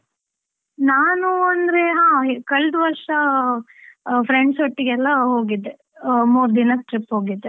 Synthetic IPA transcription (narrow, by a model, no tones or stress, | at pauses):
naːnuɐnd̪ɐɾe̞ɦãːkɐɭd̪ʋɐɾʂɐ | pɾeɳɖsoʈːiɡɛlːɐɦoːɡid̪ːe | muːɾd̪inɐkʈɾipɦo̞ːɡid̪ːe